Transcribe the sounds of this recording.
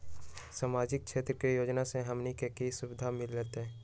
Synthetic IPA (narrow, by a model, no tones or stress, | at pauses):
samaːd͡ʒɪk̚ʃʰeːt̪ɾəkejoːd͡ʒnaseɦɐmnikekesʊʋɪd̪ʱamɪlːɛːt̪eɦɛ̃ː